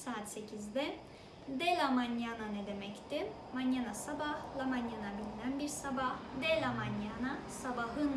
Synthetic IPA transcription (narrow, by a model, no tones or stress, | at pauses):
saːt̪se̞cʰizd̪ɛ | d̪ɛlʲamanjananed̪e̞mɛct̪ɪ | manjanasabahlˠamanjanabilʲinænbiɾsabahd̪ɛlʲamanjanasabaɦɯn